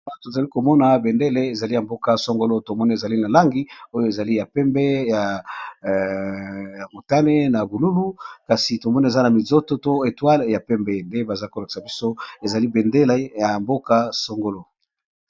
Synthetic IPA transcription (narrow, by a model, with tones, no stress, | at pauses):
to˨za˨li˦ko˨mɔ˦na˨be˨nde˦le˦e˨za˨li˦ja˨mbo˦ka˨so˦ŋɡo˦lo˦to˨mɔ˦ni˦e˨za˨li˦na˨la˦ŋɡi˦o˦jo˨e˨za˨li˦ja˨pɛ˦mbɛ˦ja˨ | ja˨mo˨ta˦ne˦na˨bu˨lu˦lu˦ka˨si˨to˨mɔ˦na˦e˨za˦na˨mi˨zo˦to˦to˦e˨twa˦lja˨pɛ˦mbɛ˦nde˦ba˨za˦ko˨la˨ki̥˨sa˨bi˦so˦e˨za˨li˦be˨nde˦le˦ja˨mbo˦ka˦so˦ŋɡo˦lo˦